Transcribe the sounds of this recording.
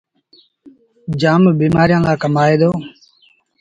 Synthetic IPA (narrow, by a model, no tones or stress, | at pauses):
d͡ʒaːmbiːmaːɾijãːlaːkəmaːeːd̪oː